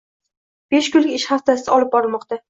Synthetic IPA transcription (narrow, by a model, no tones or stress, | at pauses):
b̥e̞ʃkʊlɪɪʃhaft̪ʰasɪt̪ɪɒlɪp̚bɒɾɪmɒqt̪a